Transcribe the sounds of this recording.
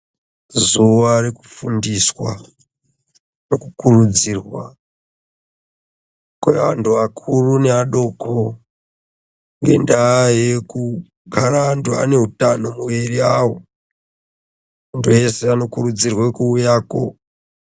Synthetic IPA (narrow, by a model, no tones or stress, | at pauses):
zuʋareku̥fundiswa | no̞kukurud͡ziːrwa | kwḛa̰ntʰuakʰurune̞aɗo̞kʰo | ŋɡe̞̰ndajeku | ɡʱaɾaːntua̰ne̞ɦutanomuwiriawo | untʰuje̞seano̞kurud͡zirwekuːjaːko̞̰